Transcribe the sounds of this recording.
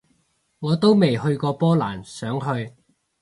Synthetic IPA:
ŋɔː˨˧t̪o˥wme˨jhɵ˧ɥkɔː˧pɔː˥laː˨˩nsœː˨˥ŋɦɵ˧ɥ

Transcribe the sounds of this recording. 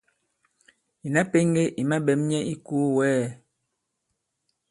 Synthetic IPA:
i˨na˦pe˦ŋɡe˦ʔi˨ma˦ɓɛ˨˦mɲɛ˦ʔi˦ku˦wɛː˦˨

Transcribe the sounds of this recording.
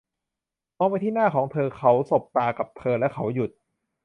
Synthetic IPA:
mɔː˧pa˧jt̪ʰiː˥˩naː˥˩kʰɔː˩˦ŋt̪ʰɤː˧kʰa˦˥wso˨˩p̚t̪aː˧ka˨˩p̚t̪ʰɤː˧lɛ˦˥kʰa˦˥˩wju˨˩t̪̚

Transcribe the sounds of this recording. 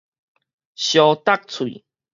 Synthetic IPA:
ɕjɔ˧t̪a˦˨k̚t͡sʰwḭ˨

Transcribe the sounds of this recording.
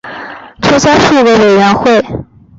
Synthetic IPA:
t͡sʰɔ˥sa˥ʂu˥˩we˧˥we˨˩ɪɥɛ˧˥nxwe˥˩ɪ

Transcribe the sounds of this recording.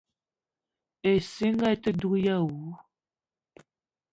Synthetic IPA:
e˨si˦ŋɡa˦˨tə˦du˦kja˦˨wu˨˦

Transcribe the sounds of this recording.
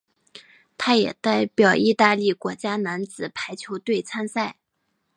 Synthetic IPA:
t̪ʰa˥jɛ̰˨˩t̪a˥˩ɪpjɑ˨˩ʊʔi˥˧t̪a˥˧li˥˩kwɔ˧˥t͡ɕja˥na˧˥nt͡sɹ̩˨˩pʰa˧˥ɪt͡ɕʰjo˧˥ʊt̪we˥˩ɪt͡sʰa˥nsa˥˩ɪ

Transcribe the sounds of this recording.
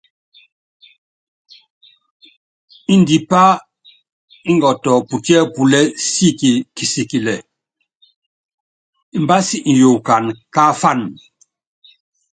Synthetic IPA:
i˦ndi˨pa˦ | i˦ŋɡɔ˨tɔ˨pu˨ti˦ɛ˦pu˨lɛ˦si˦˨ki˨ki˨si˨ki˨lɛ˨ | i˨mba˦si˦ʔn̩˨jo˨ka˨nka˦fa˦˨n

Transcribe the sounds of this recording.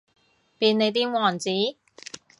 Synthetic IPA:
piː˧ne˨˧jt̪̬iː˥wɔː˨˩nt͡siː˨˥

